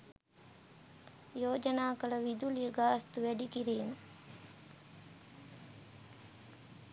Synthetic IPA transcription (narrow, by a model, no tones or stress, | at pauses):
joːd͡ʒənaːkələʋid̪ulijəɡaːɐst̪uʋæɖikiɾeːnu